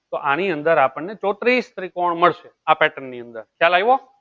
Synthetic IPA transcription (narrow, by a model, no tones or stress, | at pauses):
t̪oʔañiənd̪əɾapəɳːet͡ʃɔt̪ɾist̪əɾikoɳməɭʃeapɛʈənːiənd̪əɾkjalaiʋo